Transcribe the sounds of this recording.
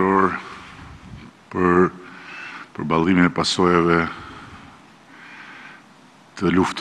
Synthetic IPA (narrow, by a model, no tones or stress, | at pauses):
ɔɾ | pəɾ | pəɾbalˠiminɛpasɔjavɛ | t̪əluft̪